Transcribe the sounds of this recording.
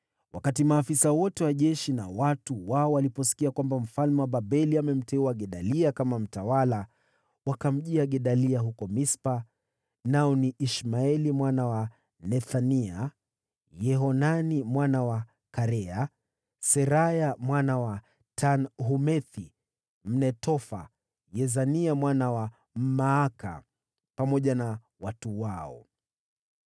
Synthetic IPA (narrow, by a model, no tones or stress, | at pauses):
wʔakatimaːfisawɔtɛwaʄɛʃina̰watuwaɔwalipɔsi̥kiakwambam̩falmɛwaɓaɓɛliamɛm̩tɛuwaɠɛɗaliakamam̩tawala | wakam̩ʄiaɠɛɗaliaɦukɔmispa | naɔniʔiʃmaɛlimwanawa | nɛθania | jɛɦɔnanimwanawa | kaɾɛa | sɛɾajamwanawa | tʰanɦumɛθi | m̩nɛtɔfa̰ | jɛzaniamwanawa | m̩maːka̰ | pamɔʄana | watuwaɔ̰